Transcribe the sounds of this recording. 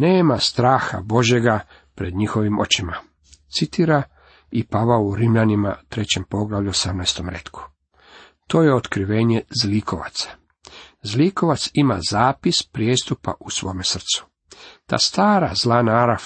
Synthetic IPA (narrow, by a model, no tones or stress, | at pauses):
neːmast̪ɾaːxa̰bo̞ʒje̞ɡa | pɾe̞d̪ɲixo̞ʋimo̞t͡ɕima | t̪sit̪iːɾa | ipaʋauɾimʎanima̰t̪ɾe̞t͡ɕe̞mpo̞ɡlaʋʎuosamnajst̪o̞mɾḛt̪kʰu̥ | t̪o̞ːje̞ot̪kɾiʋe̞ːɲezlikʰoʋa̰t̪sḁ | zliko̞ʋat̪simazaːpispɾjest̪upa̰ʔusʋo̞̰ːmesr̩t̪su̥ | t̪a̰ːst̪aːɾa̰zlanaaɾaf